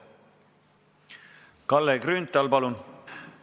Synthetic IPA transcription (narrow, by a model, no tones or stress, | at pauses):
kɑlːekrynt̪ːˑɑlpɑlun